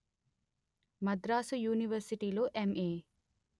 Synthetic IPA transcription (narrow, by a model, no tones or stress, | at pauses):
mɐd̪ɾaːsujuːniʋəɾsiʈiːloʔemʔeː